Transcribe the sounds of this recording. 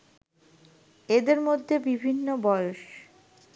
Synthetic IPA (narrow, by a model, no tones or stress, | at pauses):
ed̪eɾmod̪ʱːebibʱinːobɔoʃ